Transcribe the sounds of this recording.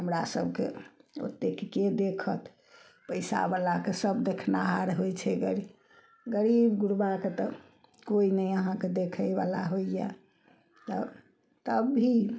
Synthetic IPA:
ɦəmɾasəb̚ʱkḛo̰t̪ːekked̪ekʰət̪ | pəjsa̰balakesəbd̪ekʰnaɦaɾɦojt͡ʃʰɛɡəɾi | ɡəɾibɡuɾbaket̪ɔ | koinəjəɦãked̪ekʰəba̰la̰ɦoija̰ | t̪ə̰ | t̪əbʱi

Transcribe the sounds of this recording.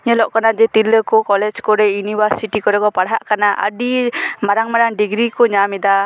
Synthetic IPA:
ɲəlɔʔkanad͡ʒɛt̪iləkukɔlɛd͡ʒkɔɾɛjuniwəsiʈikɔɾɛɡɔpaɽɦaʔkanaʔa̰dimaɾaŋmaɾaŋɖiɡɾikuɲamid̪a

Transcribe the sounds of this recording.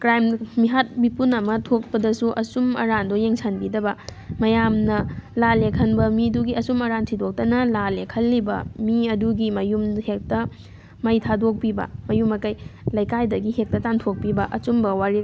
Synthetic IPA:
kɾajmmiɦat̚bipunɐmɐtʰok̚pɐdɐsuʔɐsumɐ̰ɾandojeŋsʰanbidɐbɐmɐjamnɐlalekʰɐnbɐmiduɡiɐsumɐɾantʰidok̚tɐnɐlalekʰɐlːibɐ̰miɐduɡimɐjumhek̚tɐ | mɐjtʰadok̚pibɐ̰mɐjumɐkɐjlɐjkajdɐɡihek̚tɐtantʰok̚pibɐʔɐt͡ʃumbɐwaɾi

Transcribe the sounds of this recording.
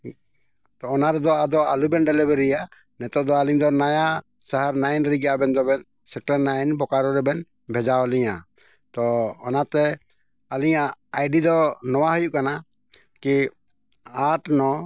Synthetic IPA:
t̪ɔːnaɾɛd̪ɔad̪ɔalubɛnɖɛlɛbɛɾija | nɛt̪ɔʔd̪ɔaliɲd̪ɔnaja | saɦaɾnajnɾiɡabɛnd̪ɔbɛn | sɛk̚ʈaɾnajnbɔkaɾɔɾɛbɛn | bʱɛd͡ʒawliɲa̰ | t̪ɔːnat̪ɛ | aliɲaːjɖid̪ɔnɔwaɦɔjuʔkana | ki | aʈnɔ

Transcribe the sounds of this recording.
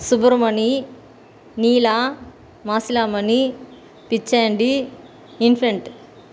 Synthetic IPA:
subɐɾmɐni | niːlaː | maːsilaːmɐni | pit͡ʃːeːɳɖi | inpʰeɳʈ

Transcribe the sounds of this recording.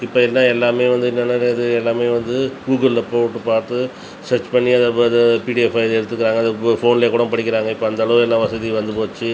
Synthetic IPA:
ɪpːɐːɪlːɐːãːɛlːaːmeːʋɐnd̪ɯɪnːɐnːaːɾeɐðɯɛlːaːmeːʋɐnd̪ɯɡuːɡɐllɐpoːɣʈːɯpaːɾt̪ɯ | sɐɾt͡ʃpɐɳːiɐðapoðɐpiːʈiɛfɐɪðɛɽɯt̪ːɯkːɪɾaːŋɡɐðɯfoːnɪlekːuːɽɐ̃mpɐɽɪk̬ʲːɪɾaːŋɡɐɪpːoːɐnd̪ɐɭɐʋɛlːãːʋɐsɐðiʋɐnd̪ɯpoːt͡ʃːɯ

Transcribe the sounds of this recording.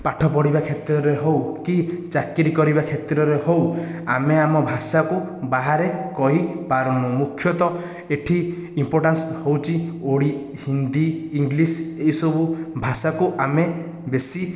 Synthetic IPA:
paʈʰɔpɔɽibakʰet̪ɾɔɾeɦowkit͡ʃakiɾikɔɾibakʰet̪ɾɔɾehowameamɔbʱasakubaɦaɾekɔɦipaɾɔnnɔmukʰːjɔt̪ɔ | eʈʰiː | mpoɾʈanshowt͡ʃʰioɽi | hind̪iːŋɡliseisɔbubʱasakuʔame | besi

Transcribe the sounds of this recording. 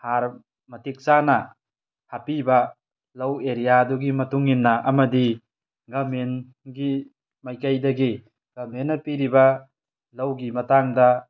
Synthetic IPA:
haɾ | mɐtʰik̚sanɐ | hapibɐ | lɐweɾijaduɡimɐtuŋinːɐʔɐmɐdi | ɡamen | ɡi | majkajdɐɡi | ɡ̥amenːɐpiɾibɐ | lawɡimɐtaŋdɐ

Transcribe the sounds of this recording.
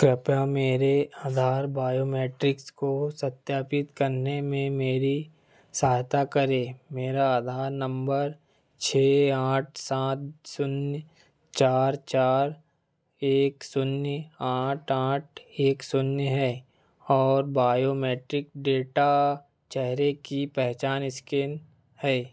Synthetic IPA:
kɾɪpjameːɾeaːd̪ʱaːɾbaːjoːmɛːʈɾɪkskosɐt̪jaːpɪt̪kɐɾnemẽmeːɾi | saːɦt̪akəɾeːmeːɾaaːd̪ʱaːɾnə̃mbəɾ | t͡ʃʰeːaːʈ̚ʰsaːt̪sʊn | t͡ʃaːɾt͡ʃaːɾ | eːksʊnjaːʈʰaːʈ̚ʰeːksʊnjɦɛː | ɔːɾbaːjoːmeːʈɾɪkɖeːʈa | t͡ʃɛɦɾekipɛɦt͡ʃaːnɪsken | hɛː

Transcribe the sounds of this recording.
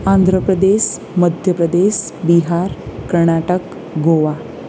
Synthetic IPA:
and̪ʱɾəpɾəd̪eɕ | məd̪ʱjəpɾəd̪eɕ | biɦaɾkəɾɳ̃aʈək | ɡoʋa

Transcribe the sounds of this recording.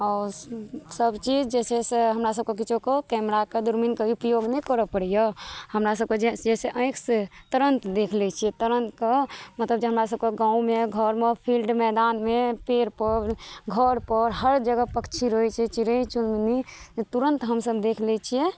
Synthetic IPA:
ɔːɾsəbt͡ʃid͡ʒd͡ʒɛseseɦəmɾasəb̚kek̬it͡ʃʰokekɛmɾaked̪uɾminkeupjoɡnɛkəɾəpəɽijəhəmɾas̬əb̚ked͡ʒed͡ʒɛseʔə̃ɪkst̪əɾənt̪d̪ekʰlɛt͡ʃʰijɛt̪əɾənt̪kemət̪ləbd͡ʒeɦəmɾasəb̚keɡãːũmeɡʱəɾmepʰilɖmɛd̪anmepeɾpəɾɡʱəɾpəɾɦəɾd͡ʒəɡəpəkt͡ʃʰiɾojt͡ʃʰɛt͡ʃiɾət͡ʃunminiet̪uɾə̃nt̪ɦəmsəbd̪ekʰlɛt͡ʃʰijɛ

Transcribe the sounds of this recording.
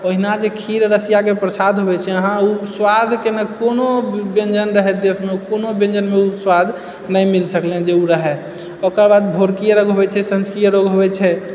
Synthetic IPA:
oɦinad͡ʒekʰiɾɾəsijakepɾəsad̪ʱɦoβɛt͡ʃʰɛəɦãuswad̪ʱkenəkonobẽnd͡ʒənɾəɦɛd̪esmeukonobẽnd͡ʒənmeuswad̪ʱ | nəjmilsəkled͡ʒeuɾəɦɛ | okəɾbad̪̚bʱoɾkijəɾoɡɦobɛt͡ʃʰɛsə̃nskɾijəɾoɡɦobɛt͡ʃʰɛ

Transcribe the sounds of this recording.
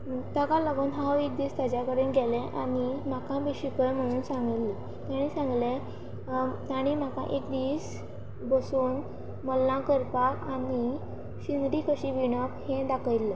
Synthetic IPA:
t̪akaləɡənɦawek̚d̪ist̪jad͡ʑakəɾenɡɛlẽʔaɽ̃im̤akãbiɕikəjm̤əɽ̃uːnsãŋɡlli | t̪jaɽ̃ĩsãŋɡle | t̪aɽ̃im̤akã̰ʔekd̪iːs | bəsuːn | məlːãkəɾpakaɽi | ɕind̪ɾikəɕiʋiɳəphẽd̪akʰəjlːə

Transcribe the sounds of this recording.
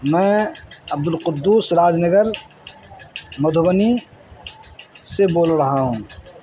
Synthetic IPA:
mɛ̃ːɐb̚d̪ʊlqʊd̪ːuːsɾaːd͡ʒnəɡəɾ | mɐd̪ʱʊbəni | seboːlɾəɦaɦũː

